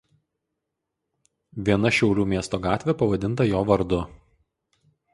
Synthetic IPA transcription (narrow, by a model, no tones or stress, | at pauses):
ʋʲiɛnɐʃʲɛʊɾʲuːmʲiɛst̪oːɡɑːt̪ʲʋʲɛpɐʋɐd̪ʲɪnt̪ɐjoːʋɐɾd̪ʊ